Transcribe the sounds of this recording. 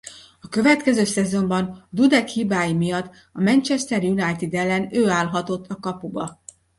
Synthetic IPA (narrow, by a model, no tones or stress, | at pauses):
ɒkø̞vɛt̪kɛzøːsɛzo̞mbɒnd̪ud̪ɛkhiːbaːjimijɒt̪ː | ɒmɛnt͡ʃɛst̪ɛrjunajt̪id̪ɛlːɛnøːaːlɦɒt̪o̞t̪ʰːɒkɒpubɒ